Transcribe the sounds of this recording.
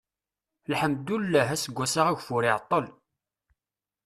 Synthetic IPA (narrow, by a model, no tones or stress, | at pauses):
lħəmd̪ulːæɦæsəɡʷːæsaʁæʝfʊɾɪʕt̪ˤːəl